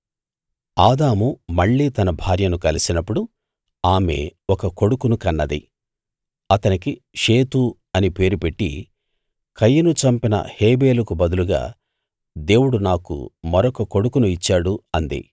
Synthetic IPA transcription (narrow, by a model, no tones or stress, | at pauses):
aːd̪aːmumɐɭːiːt̪ɐnɐbʱaːɾjɐnukɐlisinɐpːuɽu | aːme̞̰wɔkɐko̞ɽukunukɐnːɐd̪ḭ | ɐt̪ɐnikiʂeːt̪u | ɐnipe̞ːɾupe̞ʈːḭ | kʰɐjːɐnut͡ʃɐmpinɐ̰heːbe̞ːlɐkubɐd̪uluɡa̰ː | d̪e̞ːwuɽunaːkṵmɐɾɔkɐko̞ɽukunuit͡ʃːaːɽuɐnd̪ḭ